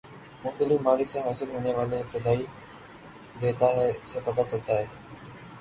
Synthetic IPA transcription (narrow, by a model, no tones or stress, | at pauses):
mʊ̃t̪əlɪmaːlɪksãɦaːsɪɾɦoːneʋaːleɪp̚t̪ɪd̪aːi | d̪eːt̪aɦeːsẽːpɐt̪at͡ɕɐlt̪aːɦeː